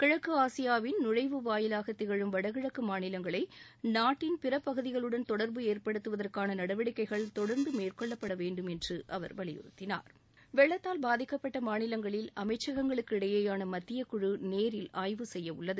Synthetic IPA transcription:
kɪɻɐkːɯaːsɪjaːʋɪnnʊrɐɪʋɯʋaːjɪlaːɣɐt̪ːɪɣɐɭɯmʋɐɽɐɣɪɻɐkːɯmaːnɪlɐŋɡɐɭɐɪnaːʈːɪnpɪrɐpːɐɣɯðɪɣɐɭɯɽɐnt̪ɔɽɐɾbɯeːrpɐɽɯt̪ːɯʋɐðɐrkaːnɐnɐɽɐʋɐɽɪkːɐɪɣɐɭt̪ɔɽɐɾnd̪ɯmeːrkɔɭːɐpːɐɽɐʋeːɳɖɯmɛndrɯʔɐ̰ʋɐ̰ɾʋɐɭɪ̰jʊ̰ɾɯ̰t̪ːɪna̰ːɾ | ʋɛɭːɐt̪ːaːlbaːðɪkːɐpːɐʈːɐmaːnɪlɐŋɡɐɭɪlɐmɐɪt͡ʃːɐɣɐŋɡɐɭɯkːɯɪɽɐjeːjaːnɐmɐt̪ːɪjɐkːʊɻɯneːɾɪlʔaːjʋɯsɛjːɐʊɭːɐðɯ

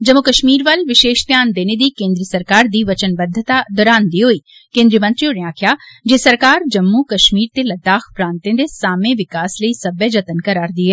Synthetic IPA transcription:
d͡ʒɐmːukəʃmiːɾʋɐlʋɪʃeːʃt̪jaːnd̪eːned̪iːkẽːnd̪ɾiəsɐɾkaːɾd̪iːʋɐt͡ʃənbəd̪ʱːət̪ad̪ɔːɾaːnd̪iɦoːiː | kẽːnd̪ɾiːəmə̃nt̪ɾioɽẽaːkʰjaːd͡ʒeːsɐɾkaːɾd͡ʒɐmːukɐʃmiːɾt̪elɐd̪aːxpɾãːnt̪ẽd̪esaːmẽʋɪkaːsləiːsɐbəd͡ʒɐt̪ənkəɾaːɾd̪iːɦɛː

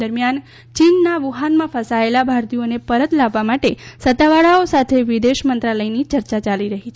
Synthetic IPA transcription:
əɾmjan | t͡ʃinːaʋuɦanmãfəsaelabʱaɾt̪ionepəɾət̪laʋːamaʈesət̪aʋaɭaosat̪ʰeʋid̪eʃmənt̪ɾaləjnit͡ʃəɾt͡ʃat͡ʃaliɾəɦit͡ʃʰ

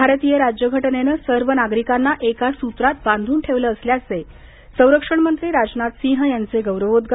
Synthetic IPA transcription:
bʱaɾt̪ijəɾad͡ʑjəɡʱəʈnenəsəɾʋənaɡɾikanːaʔekasut̪ɾat̪̚bãnd̪ʱuːnʈʰeʋləːsljase | sə̃w̃ɾəkʂəɳmənt̪ɾiːɾad͡ʑnat̪sĩɦjant͡seɡəwɾəʋod̪ɡ

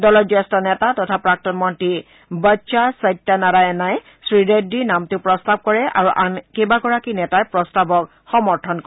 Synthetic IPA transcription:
dɔlɔɹzɛstɔnɛtatɔtʰapɹak̚tɔnmɔnti | baʃasajtːanaɹajɛnaj | sɹidedinamtʊpɹɔstab̚kɔɹɛʔa̰ɹuʔankebaɡɔɹakinɛtajpɹɔstabɔk | xɔmɔɹtʰɔnkɔ

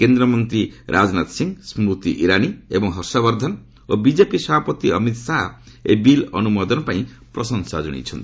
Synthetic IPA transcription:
kend̪ɾɔmɔnt̪ɾiɾʔad͡ʒnat̪siŋsmɾut̪iʔiɾaniebɔŋɦɔɾsɔβɔɾd̪ʱɔn | obid͡ʒepisɔbapɔt̪iʌmit̪saɦ | ḛbilɔ̰numɔd̪ɔnpaĩ | pɾɔsɔŋsad͡ʒɔɽ̃ḭt͡ʃʰɔnt̪i̥

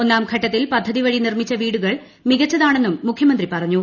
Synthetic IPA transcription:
o̞nːaːmkʰɐʈːɐt̪ːilpɐd̪ʱːɐðiʋɐɻinirmit͡ɕːɐʋiːɽuɣɐɭ | miɣɐt͡ɕːɐðaːɳe̞nːumːukʰjɐmɐnd̪ripɐrɐɲːu

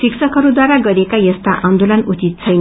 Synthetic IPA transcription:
siksʌkɦʌɾud̪waɾaɡʌɾekajʌst̪aʔand̪olʌnut͡sit̪̚t͡sʰʌjn

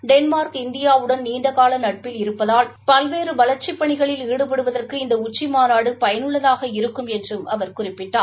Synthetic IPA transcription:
ɖɛnmaːɾkɪnd̪ɪjaːɯɽɐnniːɳɖ̪ɐkaːlɐnɐʈ̚pɪlɪɾɯpːɐðaːlpɐlʋeːɾɯʋɐlɐɾt͡ʃɪpːɐɳɪɣɐɭɪliːɽɯpɐɽɯʋɐðɐrkɯɪnd̪ɐʊt͡ʃːimaːnaːɽɯpɐjɐnɯɭːɐðaːɣɐɪɾɯkːɯmɛndrɯmɐʋɐɾkʊrɪpːɪʈːaː

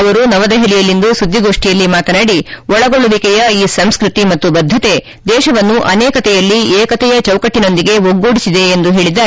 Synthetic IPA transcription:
ɐʋɐɾunɐʋɐd̪ɐɦelijɐlːind̪usud̪ʱːiɡo̞ːʂʈijɐlːimaːt̪ɐnaːɽiɔɭɐɡoɭuʋikɛjɐiːsɐmskɾut̪imɐt̪ːubɐd̪ʱːɐt̪e̞ | d̪ɛːʃɐʋɐnːuʔɐnɛːkɐt̪ɛjɐlːieːkɐt̪ɛjɐt͡ʃɐwkɐʈːino̞nd̪iɡe̞ʋoɡːoːɽisid̪e̞ːnd̪uɦe̞ːɭid̪ːaː

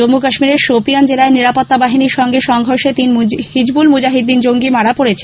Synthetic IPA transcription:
omːukaʃmiɾeɾʃopijand͡ʑelaeniɾapot̪ːabaɦiniɾʃɔŋɡeɾʃɔŋɡʱoɾʃet̪inhid͡ʑbulmud͡ʑaɦid̪ːind͡ʑoŋɡimaɽapoɽet͡ɕʰen

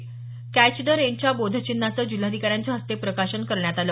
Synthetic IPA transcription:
kæt͡ɕɖəɾent͡ɕjabod̪ʱət͡ɕinːat͡səːd͡ʑul̤ad̪ʱikaɾjaɲt͡ɕaɦəst̪epɾəkaɕənkəɾɳjat̪al

